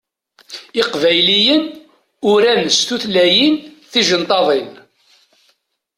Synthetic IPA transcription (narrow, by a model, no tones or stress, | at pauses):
ɪqvæjlijən | ʊɾænst̪uθlæjinθiʒənt̪ˤɑðˤin